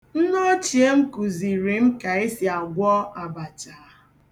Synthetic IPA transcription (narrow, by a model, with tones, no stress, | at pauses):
n̩˦no˦t͡ʃi˨e˦m̩˦ku˨zi˨ɾi˨m̩˦ka˨e˦si˨a˨ɡʷɔ˦a˨ba˨t͡ʃa˨˦